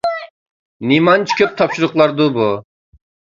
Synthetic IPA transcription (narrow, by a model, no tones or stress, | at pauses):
nimɑnt͡ʃʰkʲʰøp̚t̪ʰɑpʃuɾʊqlˠɑɾd̪ubu